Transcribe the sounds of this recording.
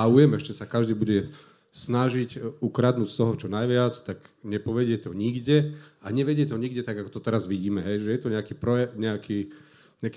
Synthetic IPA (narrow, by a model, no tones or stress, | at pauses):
aujɛmɛʃcɛsakaʒd̪iːbuɟɛ | snaʒicukɾad̪nuːcst̪ɔɦɔt͡ʃɔnajʋɪat͡st̪aɡɲɛpɔʋɛɟɪɛt̪ɔɲiɡɟɛaɲɛʋɛɟɪjɛt̪ɔɲiɡɟɛt̪aɡakɔ̥t̪ɔt̪ɛɾazʋiɟiːmɛɦɛjʒɛjɛt̪ɔɲɛakiːpɾɔɛɲɛakʰiː | ɲɛaki